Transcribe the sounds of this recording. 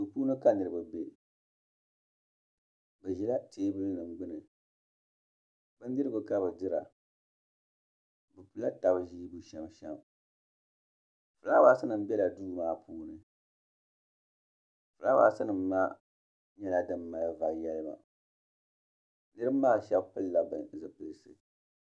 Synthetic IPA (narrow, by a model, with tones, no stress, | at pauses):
su˨puː˦nɨ˦ka˦nɨ˨ɾɨ˦bɨ˨be˦ | bɨ˨ʒi˨la˦teː˦bɨ˦lnɨ˨mɡ͡bɨ˦nɨ˨ | bɨ˦n˦dɨ˦ɾɨ˦ɡʊ˨ka˦bɨ˨dɨ˦ɾa̰˨ | bɨ˨pu˨la˦ta˨bɨ˨ʒiː˦bu˨ʃɛ˨mʃɛ˦m | fɨ˨la˦waː˨˦sɨ˦nɨ˨m˦bɛ˦la˨duː˦maː˦pʰuː˦nɨ˨ | fɨ˨la˦wa̰˨˦sɨ˦nɨ˨mːa˦ | ɲɛ˦la˦dɨ˨mːa˨lva˨jɛ˦lɨ˦ba̰˨ | nɨ˦ɾɨ˦bmaː˦˨ʃɛ˦bpɨ˦lla˨bɨ˨zɨ˨pɨ˨lɨ˨sɨ̰˨